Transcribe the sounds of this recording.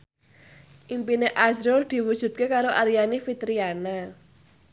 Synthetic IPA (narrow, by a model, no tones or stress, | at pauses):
ʔimpineʔazɾod̪̥i̤wud̥ʒ̥ṳt̪̚kekaɾoʔaɾijanifit̪ɾiana